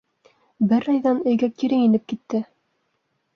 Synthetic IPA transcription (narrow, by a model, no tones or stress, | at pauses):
bɘɾɑjðɑnɵ̆jɡækiɾɘŋinɘp̚kit̪ːɘ